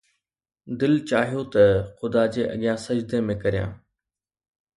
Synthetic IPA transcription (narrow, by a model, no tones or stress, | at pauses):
d̪ɪlt͡ɕaːɦijot̪ɐxʊd̪ad͡ʑeːʔɐ̰ɠijãːsɐd͡ʑd̪emẽkɐɾijã̰ː